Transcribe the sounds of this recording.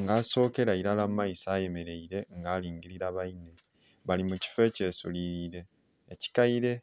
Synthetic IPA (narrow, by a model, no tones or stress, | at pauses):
ŋɡaːso̞ːke̞ɾaiɾalamajisaːje̞me̞ɾe̞iɾe̞ŋɡaːliːŋɟiɾiɾaβaine̞ | βalimuci̥fe̞ce̞ːsṵliɾiɾe̞ː | ci̥kaiɾe̞